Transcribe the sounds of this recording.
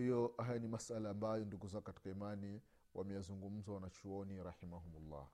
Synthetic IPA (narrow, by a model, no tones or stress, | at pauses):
hijɔɦajanimasalaːmbajɔnduɡuzaɡkati̥kaimani | wʔamɛjazuŋɡum̩zawanat͡ʃuɔniɾaħimaɦumulːɑ̰